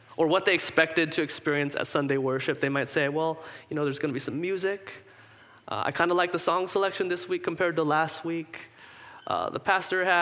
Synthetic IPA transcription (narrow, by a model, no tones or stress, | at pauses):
ʔə˞wʌt̪̚ðeɪɨkspɛk̚tɨd̚tʰɨɨkspɪɹiɨ̃nsɨ̰tsʌ̃ndeɪwɜ˞ʃɨp̚ðeɪmaɪtseɪwɛlˠjɨnoʊðə˞zɡʌnəbisʌ̃mjʉzɪk | ʔʌ̰a̰ɪkʰãɪ̃ndəlaɪk̚ðəsɔ̃ŋsəlɛkʃɨ̃nðɪswikʰːm̩pʰɛɹd̚təlæst̚wik | ʔʌ̰ðə̰pʰæstə˞ɨ